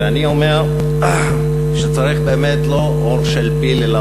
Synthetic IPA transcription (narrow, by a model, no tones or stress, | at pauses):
aniome̞ʁ | ʃet͡saʁiχbeːmet̪lo̞ʔoʁʃelpilela